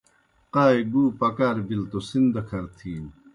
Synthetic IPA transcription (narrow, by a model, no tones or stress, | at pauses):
qaːjɡuːpɐkaːɾbilt̪osind̪ɐkʰɐɾt̪ʰiːm